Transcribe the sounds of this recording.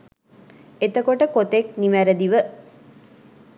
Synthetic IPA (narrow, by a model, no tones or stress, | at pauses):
et̪əkoʈəkot̪ekniʋæɾəd̪iʋə